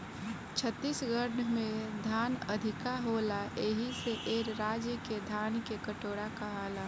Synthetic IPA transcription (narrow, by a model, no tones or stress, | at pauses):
t͡ʃʰət̪ːisɡəɾɖmẽd̪ʱaːnəd̪ʱɪkaɦoːlaʔeɦiseʔeːɾɾaːd͡ʒjəked̪ʱaːnkekəʈoːɽakaɦaːlaː